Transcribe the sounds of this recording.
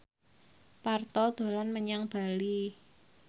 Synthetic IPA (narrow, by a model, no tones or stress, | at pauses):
part̪ɔd̪̥o̤lanməɲaŋb̥a̤li